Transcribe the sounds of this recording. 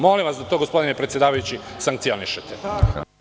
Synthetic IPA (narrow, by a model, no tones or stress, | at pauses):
mo̞limʋasd̪at̪oɡo̞spo̞d̪inepɾet̪sʲjed̪aːʋajut͡ɕisaŋk̚t̪sio̞niʃet̪e